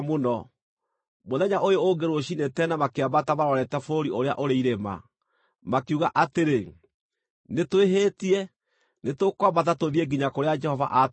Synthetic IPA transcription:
monɔ | moðɛɲaʔojooɡeɾwoɕinetɛnamakeabatamaɾɔɾɛtɛfoɾiʔoɾea̰ʔoɾeiɾema̰ | makuɣaʔateɾe | netweɦeːtiɛ | netokwabatatoðiɛɡiɲakoɾead͡ʒɛhɔva̰ʔa

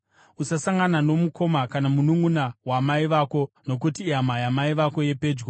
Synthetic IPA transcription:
usasaŋɡanano̞mukʰo̞makanamunuŋɡunawamaiʋaːko̞no̞k̬utiamajamaiʋako̞je̞pe̞ːd͡ʒɡo

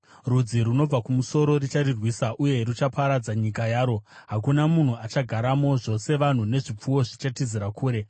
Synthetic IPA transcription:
rud͡ziɾuno̞b͡vakumuso̞ɾo̞rit͡ʃaɾirwiːsaʔuje̞rut͡ʃapaɾad͡zaɲikajaːɾo̞ɦakunamun̤uat͡ʃaɡʱaɾamo̞ʐo̞se̞ʋan̤une̞ʐip͡fuwo̞ʐit͡ʃatiziɾakʰuːɾe̞

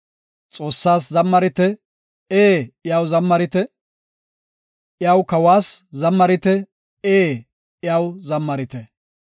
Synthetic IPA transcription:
t͡sʼo̞ːsːaːs̬zɐmːɐɾɪt̪ɛ | eːɪjaːwzɐmːɐɾɪt̪ɛ | ʔɪjawkɐwaːszɐmːɐɾɪt̪ɛ | eː | ɪjaːwzɐmːɐɾɪt̪ɛ

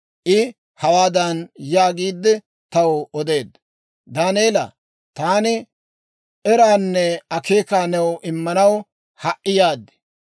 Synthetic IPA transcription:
ʔɪ | hɐwaːd̪ɐnjaːɡiːd̪ːɛ | t̪ɐwɔɔd̪e̞ːd̪ | d̪aːneːlɐ̰ | t̪aːnɪ | ʔɛɾaːnːɛɐke̞ːkaːnɛwʔɪmːɐnɐw | hɐʔʔːɪjaːd̪ɛ̥

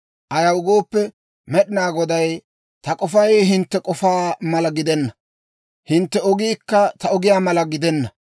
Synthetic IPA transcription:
ʔɐjɐwʊɡoːpːɛ | mɛɗɪnaːɡɔd̪ɐj | t̪ɐkʼɔfɐjɦɪnt̪ːɛkʼɔfaːmɐlɐɡɪd̪ɛnːɐ | hɪnt̪ːɛɔɡiːkːɐt̪ɐɔɡɪjaːmɐlɐɡɪd̪ɛnːɐ

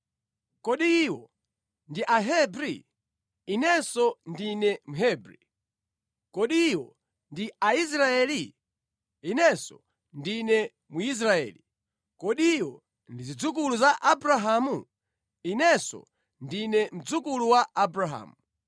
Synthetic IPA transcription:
kɔɗiːwɔ | ndiʔaɦɛbɾḭ | inɛsɔndinɛmuɦɛbɾḭ | kɔɗiːwɔ | ndiais̬ɾaɛːli | inɛsɔ̰ | ndinɛ | muis̬ɾaɛ̰li | kɔɗiːwɔ | ndizid͡zukuluzaʔabɾaɦamu | inɛsɔ̰ | ndinɛm̩d͡zukuluwaʔabɾaɦa̰ːmu

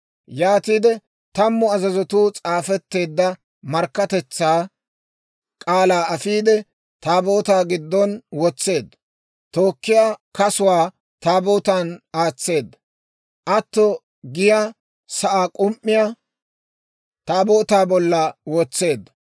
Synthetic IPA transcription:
jaːt̪iːd̪ɛ | t̪ɐmːʊɐzɐzɔt̪uːt͡sʼaːfɛt̪ːe̞ːd̪ːɐ | mɐɾkːɐt̪ɛt͡sːaː | kʼaːlaːɐfiːd̪ɛ | t̪aːbo̞ːt̪aːɡɪd̪ːɔnwɔt͡sːe̞ːd̪ːɐ | t̪o̞ːkːɪjaːkɐsʊwaː | t̪aːboːt̪anaːt͡sːe̞ːd̪ːɐ | ʔɐt̪ːɔ | ɡɪja | sɐʔaːkʼʊmʔːɪja | t̪aːboːt̪aːbɔlːɐwɔt͡sːe̞ːd̪ːɐ

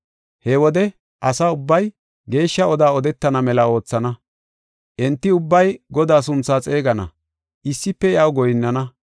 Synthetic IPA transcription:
hɛwɔd̪ɛ | ʔɐsaːʊbːɐj | ɡe̞ːʃːɐɔd̪aːɔd̪ɛt̪ːɐnɐmɛlɐo̞ːt͡sːɐnɐ | ʔɛnt̪ːɪʊbːɐjɡɔd̪aːs̬ʊnt͡sːaːt͡sʼe̞ːɡɐnɐ̰ | ʔɪsːɪpːɛjɐwɡɔjɪnːɐnɐ

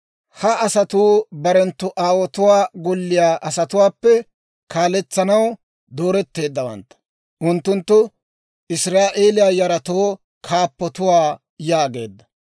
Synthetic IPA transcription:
hɐɐsɐt̪uːbɐɾɛnt̪ːʊʔaːwɔt̪ʊwaːɡɔlːɪjaːʔɐsɐt̪ʊwaːpːɛ | kʰaːlɛt͡sːɐnɐw | d̪o̞ːɾɛt̪ːe̞ːd̪ːɐwɐ̰nt̪ːɐ̥ | ʔʊnt̪ːʊnt̪ːʊ | ʔɪsɾaːʔe̞ːlɪjaːjɐɾɐt̪oː | kʰaːpːɔt̪ʊwaː | jaːɡe̞̰ːd̪ːɐ̥

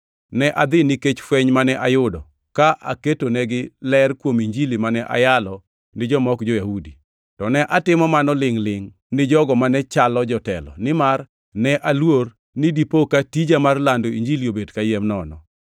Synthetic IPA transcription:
nɛʔad̪ɪnɪket͡ʃfwɛɲmanɛʔajʊdɔ | kaʔa̰ketonɛɡɪlɛrkwomiɲd͡ʒilimanɛʔa̰jalɔ | nɪd͡ʒɔmɔkd͡ʒɔjahudi | tɔnɛʔatɪmɔmanɔlɪŋlɪŋ | nɪd͡ʒɔɡɔmanɛt͡ʃalɔd͡ʒɔtɛlɔ̰nɪmar | nɛʔalwor | nɪdipokatid͡ʒamarlandoiɲd͡ʒiliobedkajɛmnɔnɔ̰

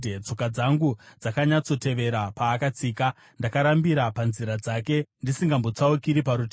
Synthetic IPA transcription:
d͡zo̞kad͡zaŋɡud͡zakaɲat͡so̞te̞ʋe̞ɾapaːkat͡siːka | ndakaɾambiɾapanziɾad͡zake̞ndisiŋɡambo̞t͡saukiɾipaɾutː

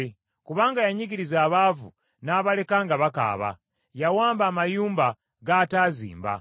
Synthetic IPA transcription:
e | kuβaːŋɡajaɲiɡiɾizaːβaːvṵ | naːβale̞kaːŋɡaβaka̰ːβa̰ | jawaːmbaːmajuːmba | ɡataːzḭːmba̰

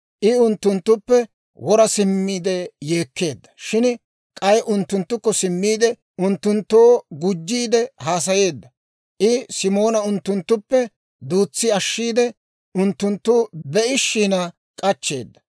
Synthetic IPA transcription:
ʔɪʊnt̪ːʊnt̪ːʊpːɛ | wɔɾɐsɪmːiːd̪ɛje̞ːkːe̞ːd̪ːɐ̥ʃɪn | kʼɐjʔʊnt̪ːʊnt̪ːʊkːɔsɪmːiːd̪ɛ | ʔʊnt̪ːʊnt̪ːo̞ːɡʊd͡ʒːiːd̪ɛhaːs̬ɐje̞ːd̪ːɐ | ʔɪsɪmo̞ːnɐʊnt̪ːʊnt̪ːʊpːɛ | d̪uːt͡sːɪɐʃːiːd̪ɛ | ʔʊnt̪ːʊnt̪ːʊbɛʔɪʃːiːnɐ | kʼɐt͡ʃːe̞̰ːd̪ːɐ̥

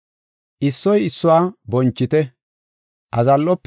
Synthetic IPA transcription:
ʔɪsːɔjɪsːʊwaːbɔnt͡ʃːɪt̪ɛ | ʔɐzɐlːɔpː

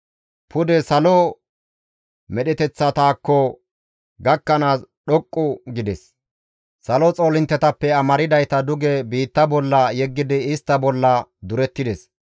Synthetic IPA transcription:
pʰʊd̪ɛsɐlɔ | mɛɗɛt̪ɛt͡sːɐt̪aːkːɔ | ɡɐkːɐnaːsɗɔkʼːʊɡɪd̪ɛs | sɐlɔt͡sʼo̞ːlɪnt̪ːɛt̪ɐpːɛɐmɐɾɪd̪ɐjt̪ɐd̪ʊɡɛbiːt̪ːɐbɔlːɐjɛɡːɪd̪ɪɪst̪ːɐbɔlːɐd̪ʊɾɛt̪ːɪd̪ɛs

